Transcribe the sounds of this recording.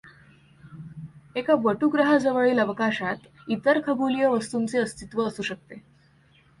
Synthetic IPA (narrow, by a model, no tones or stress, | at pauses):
ekaʋəʈuɡɾəɦad͡zəʋəɭiːləʋkaɕat̪ | it̪əɾkʰəbulijəʋəst̪uːnt͡seəst̪it̪ʋəːsuːɕək̚t̪e